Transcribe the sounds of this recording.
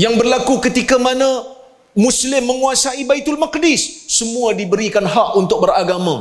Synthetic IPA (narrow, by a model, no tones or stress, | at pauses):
jaŋbərlakukət̪ikamanã | muslɪmːəŋuasaibait̪ʊlmak̚dɪsːəmũadibəɾikanɦakunt̪ʊk̚bəɾaɡamã